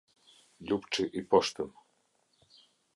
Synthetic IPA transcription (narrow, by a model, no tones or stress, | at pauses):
lʲupt͡ʂɨʔipɔʂt̪ɨm